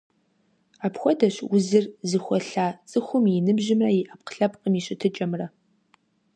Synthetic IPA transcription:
aːpxʷɔdɐɕwʊzɨrzɨxʷɔɬaːt͡sʼɨxʷʊmjɪnɨbʑɪmrɐjɪʔaːp̚qɬɐpʼqʼəmiɕɪtʰɨt͡ʃʼɐmrɐ

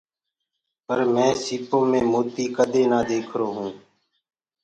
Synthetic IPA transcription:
pəɾmɛ̃ːsiːpõːmẽːmoːt̪iːkəd̪eːnaːd̪eːkʰɾoːɦũː

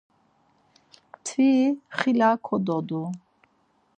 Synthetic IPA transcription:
t̪ʰviχilakʰɔd̪ɔd̪u

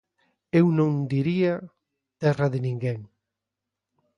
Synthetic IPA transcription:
ewnõŋd̪iɾia | t̪ɛraðɪnĩŋɡeŋ

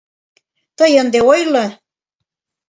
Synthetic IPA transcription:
t̪əjə̆nd̪eojlɤ

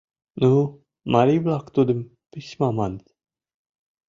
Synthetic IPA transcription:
nu | maɾiblakt̪ud̪im | piʃmamant̪

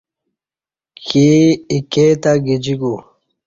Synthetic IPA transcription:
keiket̪aɡid͡ʑiɡu

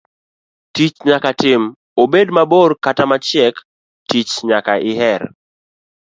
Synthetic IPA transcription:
tit͡ʃɲakatɪm | obedmaborkatamat͡ʃjɛk | ttit͡ʃɲakaʔɪɦɛɾ

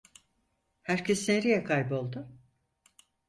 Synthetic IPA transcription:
hæɾcʰesneɾijɛkʰajbo̞lˠd̪ʊ

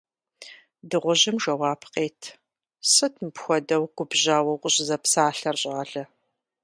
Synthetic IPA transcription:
dɨʁʷʊʑɪmʒɐwaːpʰqeːtʰ | sɨtʰmpxʷɔdɐwɡʷʊbʑaːwɐwqʷʼʊɕʼɪzɐpsaːɬɐrɕʼɐɮɐ

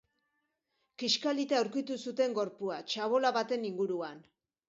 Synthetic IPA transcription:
kiʃkalit̪eawɾkit̪usut̪e̞ŋɡo̞ɾpuat͡ʃaβo̞laβat̪e̞niŋɡuɾuan

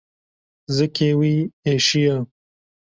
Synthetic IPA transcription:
zɨkʰeːwieːʃija

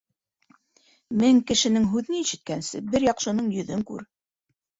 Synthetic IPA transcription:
mɘŋkɘ̆ʃɘ̆nɘŋɦʉðɘniʃɘ̆t̪̚kænsɘ̰bɘɾjɑqʃɤ̆nɤɴjɵ̆ðɵŋkʉ̰ɾ

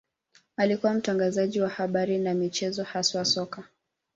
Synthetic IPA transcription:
alikuwam̩taŋɡazaʄiwahaɓaɾinamit͡ʃɛzɔhaswasɔka

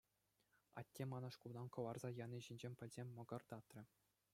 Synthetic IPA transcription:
ɑ̰tʲːemɑnɑʂkulˠd̪ɑnkɤ̆ʋɑrzɑjɑnʲiʑinʲd͡ʑemʲpʲɘ̆lʲzʲemʲmɤ̆ɡɤ̆rd̪ɑt̪rʲɘ̆

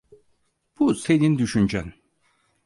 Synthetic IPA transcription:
b̥usenind̪yʃynd͡ʒæn

